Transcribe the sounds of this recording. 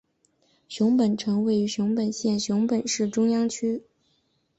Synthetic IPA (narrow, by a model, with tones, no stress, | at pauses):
ɕjʊ˧˥ŋpə˨˩nʈ͡ʂʰɤ˧˥ŋwe˧˥ɪy˧˥ɕʊ˧˥ŋpə˨˩nɕjɛ˥˩nɕjʊ˧˥ŋpə˨˩nʂɻ̩˥˩ʈ͡ʂʊ˥ŋjɑ˥ŋt͡ɕʰy˥